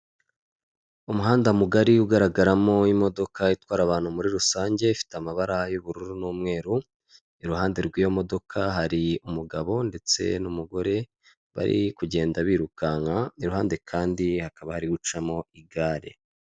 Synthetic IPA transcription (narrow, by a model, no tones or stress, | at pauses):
umuɦaːndamuɡaɾiuɡaɾaɡaɾamo̞imo̞do̞kaitwaːɾaβaːnhumuɾiɾusaːɲɟe̞ifi̥tamaβaɾahajuβuɾuɾunuːmŋe̞ːɾu | iɾuhaːnde̞ɾɡwiːjo̞mo̞do̞kʰaɦaɾiumuɡaβo̞nde̞t͡se̞̰numuɡo̞ɾe̞ | βa̰ɾḭkuɟe̞ːndaβiːɾukaŋaniɾuhaːnde̞kʰaːndihakaβahaɾiɡut͡ʃamo̞iɡaːɾḛ